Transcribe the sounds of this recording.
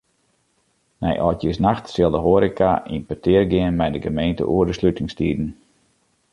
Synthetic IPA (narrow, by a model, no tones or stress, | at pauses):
nɛ̰jʔɔtjəsnaxtsɪlˠdəɦoəɾika̰ʔimpətɪərɡɪənmɛjdəɡəmejntə̰ʔuərdəslytɪŋstiːdn̩